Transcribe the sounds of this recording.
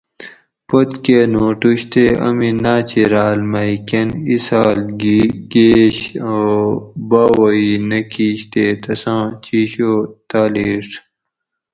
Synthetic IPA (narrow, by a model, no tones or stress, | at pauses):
pot̪keːnoːʈuɕt̪eɐ̰minaːt͡ɕiɾaːlmɐikenisaːlɡɡeːɕobaːwoinɐkiːɕt̪eːt̪ɐsãːt͡ɕiːɕoːt̪aːleːʈ